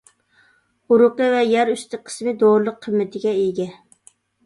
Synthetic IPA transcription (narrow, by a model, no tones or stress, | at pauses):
uɾʊqəvɛjæɾyst̪ʰɪqʰə̥smɪd̪oɾlˠəqʰːəmːɪt̪ʰɪɡʲɛeɡʲɛ